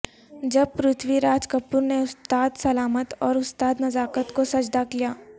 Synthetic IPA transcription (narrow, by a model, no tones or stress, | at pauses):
d͡ʒɐb̚pɾʊt̪ʰwiɾaːd͡ʒkəpːuɾneʊst̪aːd̪sɐlaːmət̪ɔːɾʊst̪aːd̪nɐzaːkət̪kosɐd͡ʒd̪akijaː